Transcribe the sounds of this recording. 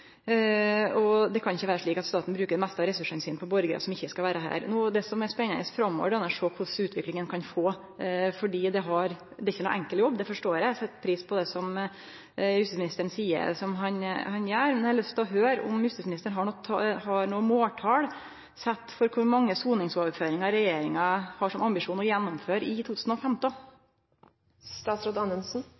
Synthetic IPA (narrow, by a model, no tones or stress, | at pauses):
ɔd̪ɛkʰɑnɪçːəʋæːɾəʂɭiːkɑt̪st̪ɑːt̪n̩bɾʉːkəɖɛmɛst̪ɑɾɛsʉʂɛnsiːnpʰɔbɔɾɡəɾə̰sɔmɪçːəskɑʋæːɾəɦæ̰ːɾnuːd̪ɛsɔmɛspɛnːənəsfɾɑmːo̰ːʋəɖɛnːəʂoːkʰʊʂʉːt̪ʰʋɪklɪŋənkʰɑnfoː | fɔɖiːd̪ɛɦɑɾ | d̪ɛɾɪçːənṵːʔæŋkəljɔbːd̪ɛfɔʂʈoːɾɛsɛt̪ːpʰɾiːspʰɔd̪ɛsɔm | jʉst̪ɪsmɪnɪst̪əɳsiːə̰ɾsɔmɦɑnhɑnjæːɾmɛnd̪ɛhɑlœst̪ʰɪlɔɦøːɾʊ̰mjʉst̪ɪsmɪnɪst̪əɳɦɑɳɔhɑɾnoːəmoːʈʰɑːɽ | sɛt̪ːfɔɾkʰʊɾmɑŋːəsuːnɪŋsɔʋføːɾɪŋɑɾɛjeːɾɪŋɑhɑʂɔmɑmbɪʂuːnɔjɛnːɔmføːɾɪt̪ʰuːt̪ʰʉːsnɔfɛmt̪ɔ | st̪ɑːt̪sɾoːd̪ɑnəlsn̩